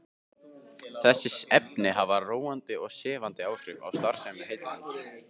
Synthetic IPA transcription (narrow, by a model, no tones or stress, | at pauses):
θɛsːɪsɛpnɪɦavaroːwant̪ɪɔɣsɛːvant̪ɪaːwr̥ɪva̰wst̪aɾ̥sɛmɛhejt̪lanɪs